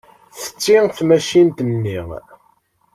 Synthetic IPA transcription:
θə̥t͡sːiθmæʃint̪ənːi

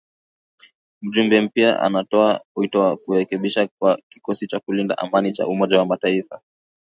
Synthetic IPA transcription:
m̩ʄumbɛm̩pia̰ʔa̰natɔahuitɔwakuɾɛkɛɓiʃakwaki̥kɔsit͡ʃakulinda̰ʔamanit͡ʃa̰ʔumɔʄawamataifa

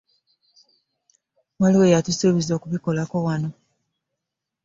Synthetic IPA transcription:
mwaliwejatusoβizo̞ːkuβikolako̞wano̞

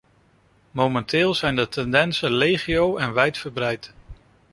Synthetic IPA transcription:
mowmɛntɪːlˠzɛjndətɛndɛnsənlejχiowɛnʋɛjtfəɹbrɛjt

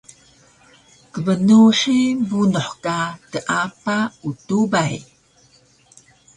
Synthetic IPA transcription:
kəvənuʂibunoħkatəʔapautubaj

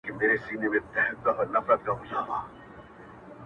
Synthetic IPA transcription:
kemeːɾesiːnemẽt̪ɛɦd̪̚kaʔɔɾnɐfɾət̪̚kaʔʊsabaː

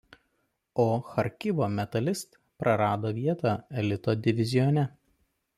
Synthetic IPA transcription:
oːxɐɾʲkʲɪʋoːmʲɛt̪ɐlʲɪst̪ | pɾɐɾɑːd̪oːʋʲiɛt̪ɑːɛlʲɪt̪oːd̪ʲɪʋʲɪzʲɪjɔnʲɛ

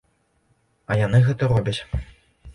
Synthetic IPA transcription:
ɐjanɨɣɛt̪ɐɾɔbʲɐt͡sʲ

